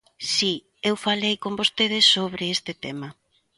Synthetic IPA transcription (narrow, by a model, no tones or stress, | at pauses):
si | ewfalejkombost̪eðɪsːoβɾɪest̪ɪt̪ema